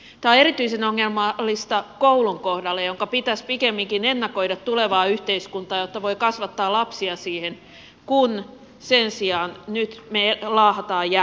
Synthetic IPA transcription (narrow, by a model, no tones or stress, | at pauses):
t̪ɑeɾit̪yisenoŋːelmɑlːist̪ɑkouluŋkohdɑlːejoŋkɑpit̪æspikemːiŋkinenːɑkoidɑt̪tuleʋɑːyht̪eiskunt̪ɑːjot̪ːɑʋoikɑsʋɑt̪ːɑːlɑpsiɑsiːhen | kun | sensiɑːnnyt̪melɑːhɑt̪ɑːjæ